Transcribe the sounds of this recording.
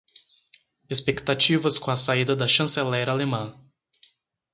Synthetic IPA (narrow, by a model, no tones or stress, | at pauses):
espekt̪at͡ʃivɐskõɐsaid̪ɐd̪ɐʃɐ̃selɛɾɐalemɐ̃